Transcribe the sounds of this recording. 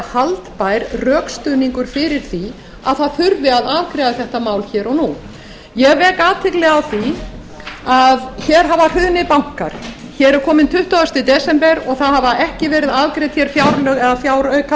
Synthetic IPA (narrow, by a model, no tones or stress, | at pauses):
halt̪paːjɾrœːkst̪ʏːniŋkʏɾ̥fɪɾɪɾ̥θi | a̰ðθaðfʏɾðɪaðaːvkɾɛːðaθɛht̪amaːwlçɛːɾɔɣnu | jɛɣvɛːkaːt̪ʰɪklɛɣawθi | aðçɛɾ̥ɦavar̥ʏðnɪpawŋ̥kaɾ̥ | çɛːɾɛɾkʰɔːmɪnt̪ʰʏht̪aʏst̪ɪt̪ɛsɛmpɛɾɔɣθaðhavaʔɛhcɪvɛːɾɪðaːvkɾɛt̪çɛɾ̥fjawɾlœɣɛðafjaːwɾœɥka